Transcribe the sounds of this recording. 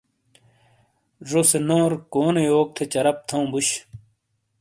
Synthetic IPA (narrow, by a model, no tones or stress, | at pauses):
ʐosenoːɾkoːnejoːk̚t̪ʰet͡ɕɐɾɐp̚t̪ʰɐũbuɕ